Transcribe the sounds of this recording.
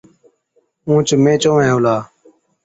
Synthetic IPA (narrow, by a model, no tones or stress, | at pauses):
ũːt͡ʃmẽːt͡ʃõːẽːoːlaː